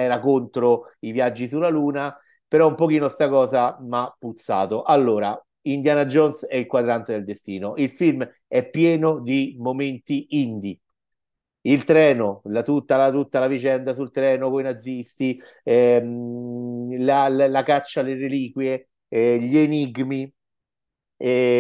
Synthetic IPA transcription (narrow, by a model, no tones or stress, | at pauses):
ɛːɾakont̪ɾoivjad͡ʒːisulːaluːna | peɾɔumpok̟iːnost̪akɔːzamapːut̪sːa̰ːt̪oʔalːoːɾa̰ | ind̪jaːnad͡ʒonsɛilkwad̪ɾant̪ed̪eld̪est̪iːnoʔilfilm | ɛpːjɛːnod̪imoment̪iind̪i | ilt̪ɾɛːnolat̪ut̪ːalat̪ut̪ːalavit͡ʃɛnd̪asult̪ɾɛːnokoinad̪zːist̪i | ɛ | lallakat͡ʃːaleɾeliːkwje | ʎeniɡmi